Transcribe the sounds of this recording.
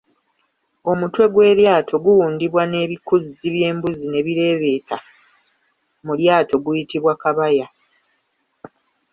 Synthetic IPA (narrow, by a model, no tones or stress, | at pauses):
o̞mutwe̞ɡwe̞ːɾjaːtʰo̞ɡuwuːndiβwane̞βikuziβje̞ːmbuzine̞βiɾe̞ːβe̞ːtʰa | muljaːtʰo̞ɡujitiβwakaβaja